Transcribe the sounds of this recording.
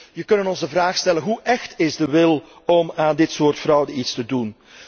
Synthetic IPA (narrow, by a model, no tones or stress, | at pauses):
jəkɵnənɔnzdəvraːxstɛlənɦuʔɛxtɪzdəʋɪl | ɔmaːndɪtsoːrtfrɑwdəitstədun